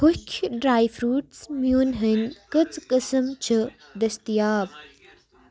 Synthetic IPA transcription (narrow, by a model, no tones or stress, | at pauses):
ɦʊkʲʰɖɾaːjfɾuːʈsmjuːnɦənʲkɨt͡skəsɐmt͡ʃʰɨ | d̪ɐst̪ijaːb̚